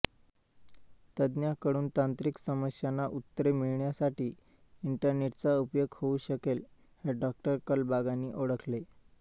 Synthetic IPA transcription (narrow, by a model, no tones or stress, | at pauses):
t̪əd̪njakəɽuːnt̪ãnt̪ɾiksəməsjanːaʔut̪ːɾemiɭɳjasaʈiːiɳʈəɾneʈ̚t͡saupjoɡhouɕəkelheɖɔk̚ʈəɾkəlbaɡaniːʔoɽəkʰle